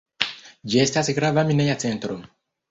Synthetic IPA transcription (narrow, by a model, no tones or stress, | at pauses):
d͡ʒɛstasiɡɾavaminɛjat͡sɛ̃nt̪ɾo